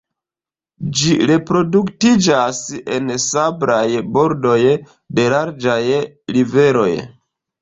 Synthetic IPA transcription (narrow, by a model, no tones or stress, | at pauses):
d͡ʒiɾe̞pɾo̞duktid͡ʒase̞nsabɾajbo̞ɾdo̞j | de̞laɾd͡ʒaj | ɾive̞ɾo̞̰j